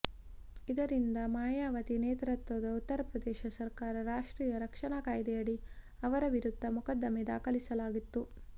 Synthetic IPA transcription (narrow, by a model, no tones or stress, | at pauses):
id̪ɐɾind̪ɐmaːjaːʋɐt̪ineːt̪ɾɐt̪ʋɐd̪ɐut̪ːɐɾɐpɾɐd̪ɛːʃɐsɐɾkaːɾɐɾaːʂʈɾiːjɐɾɐkʂɐɳakaːjd̪ɛjɐɽi | ɐʋɐɾɐʋiɾud̪ʱːɐmukɐd̪ːɐmɛd̪a̰ːkɐlisɐlaːɡit̪ːu